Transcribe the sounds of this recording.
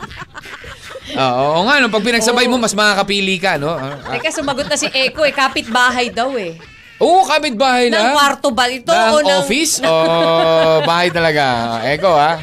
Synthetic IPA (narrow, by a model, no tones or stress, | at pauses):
ʔoːʔoʔoŋaʔnopɐɡ̚p̬ɪnɐɡ̚sɐbajmo̞mɐsmɐŋaːkɐpiːliːkɐno̞ɐkɐsʊmɐɡot̪̚nɐsɪʔɛːkoʔɛkaːpɪt̪̚baːɦɐjd̪ɐwɛ | ʔoːʔokaːbɪt̪̚baːhɐjlɐkwaɾt̪obɐlɪt̪oɐnoːŋfɪso | baːhɐjt̪ɐlɐɡaʔɛːko̞a